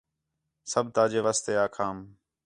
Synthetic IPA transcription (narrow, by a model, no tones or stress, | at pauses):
səbt̪aːd͡ʒeːʋaːst̪eːaːkʰaːm